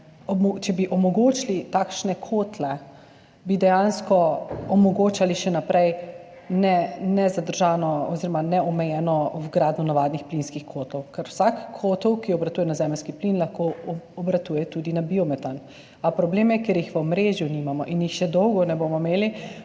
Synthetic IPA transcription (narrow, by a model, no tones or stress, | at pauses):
ɔt͡ʃɛbiʔɔmɔɡoːt͡ʃlit̪akʃnɛkʰoːt̪lɛ | bid̪ɛjanskɔɔmɔɡoːt͡ʃaliʃɛnapɾɛj | nɛnɛzad̪əɾʒaːnɔɔziɾɔmanɛɔmɛjɛːnɔwɡɾaːd̪nunaʋad̪nixplinskixkʰoːt̪ɔwkɛɾwsakʰːoːt̪ɔwkiɔbɾat̪ujɛnazɛməlskiplinlaxkoɔbɾat̪ujɛt̪ud̪inabiɔmɛt̪an | apɾɔbleːmjɛkeɾjixʋəɔmɾeʒjunimamɔʔinjixʃɛd̪ɔwɡɔnɛbomɔmeːli